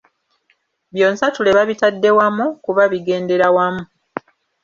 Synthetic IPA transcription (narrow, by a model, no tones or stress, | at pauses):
βjo̞ːnsatule̞βaβitadːe̞wamukuβaβiɡe̞ːnde̞ɾawamu